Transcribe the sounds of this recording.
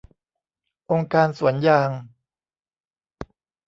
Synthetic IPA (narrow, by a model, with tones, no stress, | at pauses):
ʔo˧ŋkaː˧nsu˩˦ənjaː˨˧ŋ